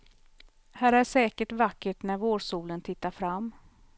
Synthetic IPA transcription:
hæːɾæʂɛːkəʈvakːəʈnæɾvoːʂuːlənt̪ʰɪt̪ːaɾfɾamː

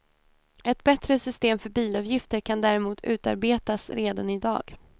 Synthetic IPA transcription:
ɛt̪̚bɛt̪ɾəsʏst̪eːmfœbiːlɑvjɪft̪əɾkʰand̪æːɾɛmuːt̪ʰʉ̟ːt̪a̰ɾbeːt̪asɾeːd̪anɪd̪ɑ̰ːɡ̥

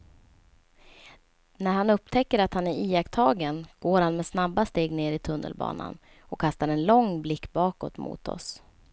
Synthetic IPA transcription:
næɾhanɵp̚t̪ʰɛkːəɾat̪hanæɾiːakt̪ʰɑːɡənɡ̥oːɾhanmɛsnabːast̪eːɡneːɾɪt̪ʰɵnːə̰lbɑ̰ːna̰n | ɔkʰːast̪aɾɛnlɔŋblɪkːbɑːkɔ̰t̪mṵːt̪ʰɔ̰s

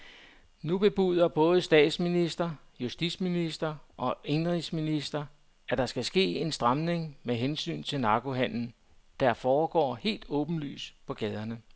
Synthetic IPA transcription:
nub̥e̝b̥uð̞̰ˠɐb̥ɔ̽ːð̞̩ˠəsd̥ɛ̰ːd̥sminisd̥ɐ | jusd̥id̥sminisd̥ɐʔɒ̽e̝nʁisminisd̥ɐ | ʔæd̥ɑ̈sɡ̥æsɡ̥e̝̰ːe̝nsd̥ʁɑ̈mne̝ŋmeɦensy̰ːnt͡sʰe̝nɑ̈ːɡ̥o̝ɦæn̰n̩ | d̥æɐfɒːɡ̥ɒ̰ːhe̝̰ːld̥ɔ̽ːb̥n̩ly̰ːspʰɒ̽ɡ̥ɛːð̞ˠɐnə

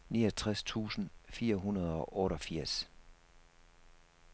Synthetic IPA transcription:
niːɒt͡sʰʁast͡sʰṵːsn̩fiːɐɦunɐð̞ˠɒ̽ʔɔːɾɒ̽fiɐ̰s

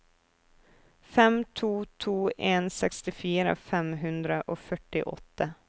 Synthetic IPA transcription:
fɛmt̪ʰuːt̪ʰuːʔeːnsɛkst̪ɪfiːɾə̰fɛmɦʉnd̪ɾəʔofœʈːɪ̰ʔɔ̰t̪ʰːə

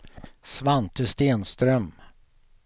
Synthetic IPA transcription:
svant̪əst̪eːnst̪ɾœm

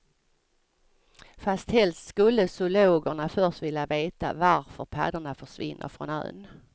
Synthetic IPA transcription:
fast̪hɛlst̪skɵlːəsʊloːɡəɳafœʂt̪vɪljaveːt̪a̰vaɾfœɾpʰa̰ːd̪əɳafœʂvɪ̰nːʔə̰ɾfɾɔ̰nœ̰ːn

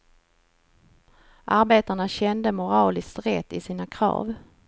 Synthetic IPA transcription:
ʔaɾbeːt̪aɳaɕɛnd̪əmʊɾɑːlɪst̪ɾɛt̪ːɪsiːnakʰɾɑ̰ːv

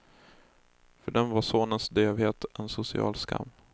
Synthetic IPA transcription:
fœɖɛnvaɾʂoːnənsd̪øːvheːt̪ɛnsʊsɪɑ̰ːlskʰa̰mː

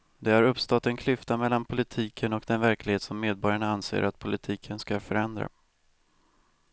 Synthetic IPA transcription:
d̪ɛhaɾɵpst̪ɔt̪ːɛnkʰlʏft̪amɛlːanpʰʊlɪt̪ʰiːkʰənɔkd̪ɛnvæɾklɪɡheːt̪sɔmːeːd̪̚bɔɾjaɳaansḛːɾʔat̪pʰʊlɪt̪ʰiːkʰənskafœɾɛnd̪ɾa̰

